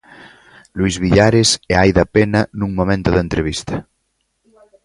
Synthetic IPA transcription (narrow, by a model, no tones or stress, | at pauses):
luizβiʎaɾesɛajðɐpenɐnuŋmomẽnt̪ʊðent̪ɾeβ̞ist̪ɐ